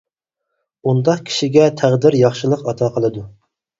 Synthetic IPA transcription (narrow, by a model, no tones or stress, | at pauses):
und̪ɑqkʲʰi̥ʃiɡʲɛt̪ʰæʁd̪ɪɾjɑχʃɨlˠəqɑt̪ʰɑqʰəlˠɨd̪u